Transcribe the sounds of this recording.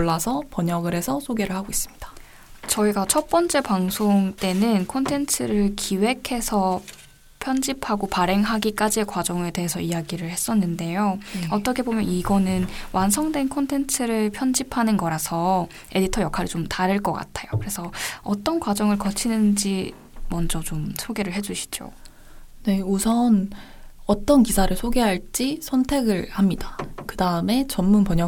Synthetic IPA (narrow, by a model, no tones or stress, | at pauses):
uɭːasʰʌpʌɲʌɡɯɾe̞sʰʌsʰoɡe̞ɾɯɭhaɡois͈ɯ̥mɲid̥ḁ | t͡ɕʌiɡat͡ɕʰʌp͈ʌnt͡ɕ͈e̞paŋsʰoŋt͈e̞nɯnkʰontʰe̞nt͡ɕʰɯɾɯɭkʰiwe̞kʰe̞sʰʌ | pʰjʌnd͡ʑipʰaɡopaɾe̞ŋɦaɡik͈ad͡ʑie̞kwad͡ʑʌŋe̞de̞ɦesʰʌijaɡiɾɯɭhe̞s͈ʌnːɯnde̞joʌt͈ʌkʰe̞bomjʌniɡʌnɯnwansʰʌŋdwe̞nkʰontʰe̞nt͡ɕʰɯɾɯɭpʰjʌnd͡ʑipʰanɯnɡʌɾasʰʌ | e̞ditʰʌjʌkʰaɾit͡ɕomtaɾɯɭk͈ʌk͈a̰tʰajokɯɾe̞sʰʌʌt͈ʌnkwad͡ʑʌŋɯɭkʌt͡ɕʰinɯnd͡ʑi | mʌnd͡ʑʌt͡ɕomsʰoɡe̞ɾɯɭɦe̞d͡ʑuɕʰi̥d͡ʑo̰ | ne̞usʰʌn | ʌt͈ʌnkisʰaɾɯɭsʰoɡe̞ɦaɭt͡ɕ͈isʰʌntʰe̞ɡɯɭhamɲidakɯdaɯme̞t͡ɕʌnmunpʌɲʌ